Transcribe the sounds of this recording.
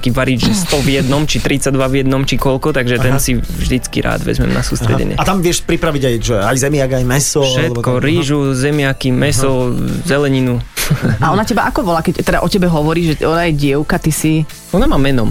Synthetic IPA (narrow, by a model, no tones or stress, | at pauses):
kiʋaɾiːd͡ʒʒɛst̪ɔvjɛd̪nɔmt͡ʃit̪ɾit͡sad̪ʋavjɛd̪nɔmt͡ʃikɔlkɔt̪aɡʒɛt̪ɛnsivʒd̪it͡skḭɾʔa̰ːd̪ʋɛ̰zmɛ̰mna̰suːst̪ɾɛ̰ɟɛ̰ɲɪɛ̰at̪amʋɪɛʃpɾipɾaʋiɟajʒɛajzɛmɪaɡajmɛsɔʃɛt̪kɔɾiːʒuzɛmɪakimɛsɔzɛlɛɲinuaɔnacɛbaʔakɔbɔlaːkɛct̪ːɛd̪aʔɔcɛbɛɦɔʋɔɾiːʒʒɛɔnajɛɟɪɛʊkat̪isi | ɔnamaːmɛnɔm